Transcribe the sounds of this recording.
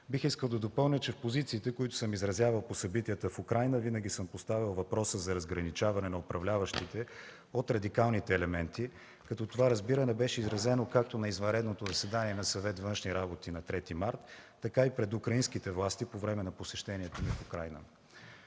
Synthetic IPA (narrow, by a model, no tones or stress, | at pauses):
bixiskəlˠd̪ɐd̪opɤlˠnʲət͡ʃɛfpozit̪siːt̪ɛkoit̪ʊ̥səmizɾɐzʲjavəlˠposɐbit̪ijət̪əfukɾajnəvinəɡ̟ʲisəmpost̪avilˠvɐpɾɔsəzɐɾɐzɡɾɐnit͡ʃavɐnɛnɐopɾɐvlʲavəʃt̪it̪ɛ | ot̪ɾɐd̪ikalˠnit̪ɛːlɛmɛnt̪i | kɐt̪ɔt̪ovaɾɐzbiɾənɛbɛʃɛizɾɐzɛnokak̚t̪onɐizvɐ̃nɾɛd̪not̪ozɐsɛd̪aniɛnɐsɐvɛt̪vɤnʃniɾabot̪inɐt̪ɾɛt̪imaɾt̪ː | ɐkaipɾɛd̪ukɾɐinskit̪ɛvlˠast̪ipovɾɛmɛnɐposɛʃt̪ɛniɛt̪omifukɾajnə̰